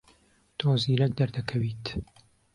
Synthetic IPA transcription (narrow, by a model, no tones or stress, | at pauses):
t̪ʰoːziːɾɛk̚d̪ɐɾd̪ɐkʰɐwiːt̪